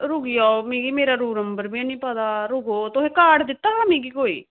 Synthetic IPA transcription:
ɾʊɡijaːomĩːɡiːmeːɾaːɾuːɾnəmbəɾbĩanĩːpaːd̪aːɾʊɡoːt̪ʊẽːkaːɽd̪ɪt̪ːaːɦãːmĩːɡiːkoːḭː

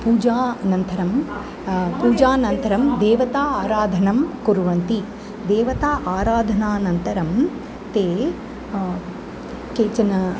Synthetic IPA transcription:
puːd͡ʒaːnɐnt̪ɐɾɐm | puːd͡ʒaːnɐnt̪ɐɾɐmd̪eːʋɐt̪aːaːɾaːd̪ʱɐnɐmkuɾʋɐnt̪i | d̪eːʋɐt̪aːʔaːɾaːd̪ʱɐnaːnɐnt̪ɐɾɐm | t̪eː | keːt͡ʃɐnɐ

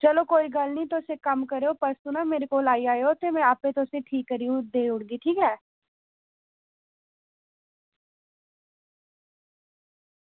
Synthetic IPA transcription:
t͡ʃəloːkoːiːɡəlnĩːt̪ʊsẽkəmkəɾeoːpəɾst̪ʊnãːmeːɾekoːlaːiaːjoːt̪eːmɛ̃aːpẽːt̪ʊsẽʈʰiːkːəɾijũd̪eːʊɽɡiːʈʰiːkɾɛː

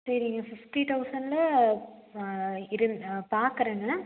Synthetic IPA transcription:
sɐɾiŋɡɐfɪfʈiʈ̪ɐʊsɐɳɖlɐ | ɪɾɯnpaːɾkɐɾɐŋɡɐ

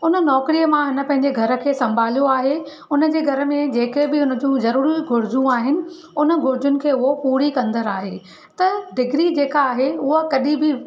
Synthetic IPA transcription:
ʊnə̆nɔːkɾijəmãɦɪnə̆pɐ̃ɦɪ̃ɲ̆d͡ʑeɡʱɐɾə̆kʰeːsɐ̃mbʱaːlijoaːɦe | ʊnə̆d͡ʑeːɡʱɐɾə̆mẽd͡ʑeːkebɪʊnə̆d͡ʑũzɐɾuːɾiɡʱʊɾɪd͡ʑũaːɦɪnɪ̆ | ʊnə̆ɡʱʊɾɪd͡ʑʊnɪ̆kʰeːʊɦopuːɾikɐ̃nd̪əɾaːɦeː | t̪ɐd̪ɪɡɾid͡ʑeːkaːɦeʊɦəkɐɗĩbɪ

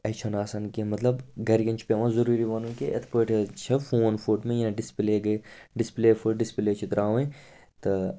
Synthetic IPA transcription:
ɐt͡ʃʰɐnaːsaːnkimɐt̪lɐbɡɐɾɡʲɐ̃nt͡ʃʰpʲeʋãzɐɾuːɾiʋaːnũkeʔɐ̰t̪ʰpoːʈt͡ʃʰɐfoːnfoːʈmẽjãɖɪspleːɡɐɖɪspleːfʰoʈɖɪspleːt͡ʃʰit̪ɾaːʋẽ | t̪ɐ

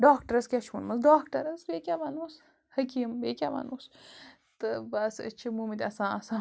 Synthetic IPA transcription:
ɖaːkʈɐɾɐskʲaʃʰunmɐsɖaːkʈɐɾɐsbeːkʲaʋɐnus | hɐkʲimbeːkʲaʋɐ̰nus | t̪ɨbɐsɐ̰t͡ʃʰimumit̪ʲɐsãːɐsãː

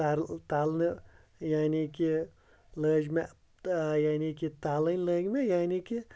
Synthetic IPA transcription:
aɾt̪aːlnɨ | jaːniki | ləːd͡ʒme | jaːnikit̪aːlɐnʲləːɡmejaːniki

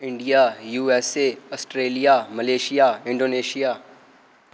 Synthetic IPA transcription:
ɪ̃ɳɖijaːjuːɛːseːɐsʈɾeːlijaːmɐleːʃijaːɪ̃ɳɖoːneːʃijaː

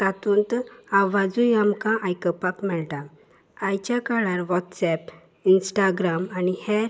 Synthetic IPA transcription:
t̪at̪unt̪aʋad͡zũjamkãʔajkəpakmɛɭt̪a | ajt͡ɕjakaɭaɾʋɔt̪sɛp | insʈaɡɾamanihɛɾ

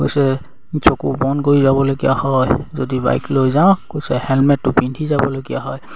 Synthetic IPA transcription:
ko̰jsɛ | sokubɔnkoɹizabɔloɡija̰hɔjzodiba̰jklojzaʊ̃kojsɛhɛlmɛtːʊpindʱizabɔlojɡija̰ɦɔj

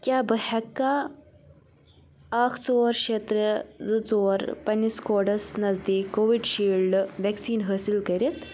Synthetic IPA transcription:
kʲjaːbɐɦɐkːa | akʰt͡soːɾkʃeːt̪ɾəd͡zɨt͡soːɾpɐnːiskoɖɐsnɐzd̪iːkːoːʋiɖʃiːlɖʋɛksiːnɦəːsilkɐɾit̪

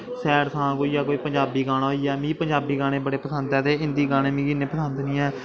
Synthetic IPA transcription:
sɛːɾsʰãːkoːiːjaːkoːiːpəɲd͡ʒaːbiːɡaːɽ̃aːɦoiːɛːmĩːpəɲd͡ʒaːbiːɡaːɽ̃eːbəɽeːpəsənd̪ɛːt̪eːɪnd̪iːɡaːɽ̃ẽːmĩːɡɪnẽːpəsənd̪nĩːɛː

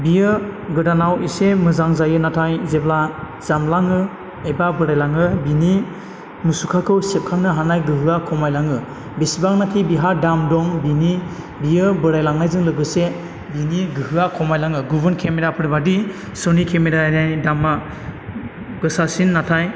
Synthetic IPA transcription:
bijɯɡɯdanawisemɯzaŋzajɯnatʰajzebla | z̥amlaŋɯ | ebabɯɾajlaŋɯbini | musukʰakʰɯwsep̚kʰaŋnɯɦanajɡɯɦɯakʰɔmajlaŋɯ | bisibaŋnatʰibiɦadamdɔŋbini | bijɯbɯɾajlaŋnajzɯŋlɯɡɯse | biniɡɯɦɯakʰɔmajlaŋɯɡubɯnkʰemeɾapʰɯɾbadi | sɯnikʰemeɾanajdamːa | ɡɯsasinːatʰaj

